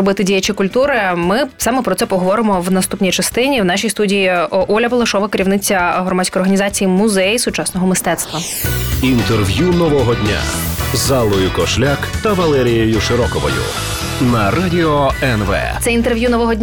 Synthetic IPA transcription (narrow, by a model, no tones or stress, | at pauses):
ɔbɪt̪ɪdʲijɐt͡ʃikʊlʲt̪uɾɪmɪfsɑmɛpɾɔt̪ɛpɔɦɔʋɔɾɪmɔwnɐst̪upnʲijt͡ʃɐst̪ɪnʲiwnɑʃʲijst̪udʲijiʔɔlʲɐbɔlˠɐʃɔʋɐkeɾʲiʋnɪt͡sʲːɐɦɾɔmadʲsʲkɔjɔrɦɐnʲizɑt͡sʲijimʊzɛjisʊt͡ʃɑsnɔɦɔmɪst̪ɛt̪st̪ʋɐ | int̪erʋjunɔʋɔɦɔdʲnʲa̰zalˠɔjʊkɔʃlʲakt̪ɐʋɐlˠɛɾʲijejʊʃɪɾɔkɔʋɔ̰jʊ̰ | nɐradʲiɔɛnʋɛ̰t̪sɛint̪erʋjunɔʋɔɦɔdʲnʲ